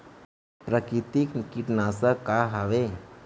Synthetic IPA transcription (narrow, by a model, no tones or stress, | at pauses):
pɾəkɾit̪iknikiʈnasəkːaɦaʋe